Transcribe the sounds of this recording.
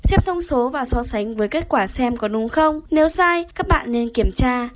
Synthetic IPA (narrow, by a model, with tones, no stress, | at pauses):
sɛ˦˥p̚t̪ʰə˧wŋ͡mso˨˦vaː˨˩sɔ˨˧˦sa˨˦jŋ̟vəː˨˦jke˦˥t̚kwaː˧˩sɛ˧mkɔ˨˦ɗʊ˨˦ŋ͡mxə˧wŋ͡mne˨˦wsaː˧jkaː˦˥k̚ɓa̰ː˧˨nːe˧nki˧˩əmt͡ɕaː˧